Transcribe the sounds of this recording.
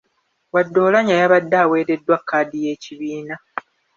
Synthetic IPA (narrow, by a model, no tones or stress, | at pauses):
wadːo̞ːlaɲajaβadːaːwe̞ːɾe̞dːwakʰːaːdije̞ːciβiːna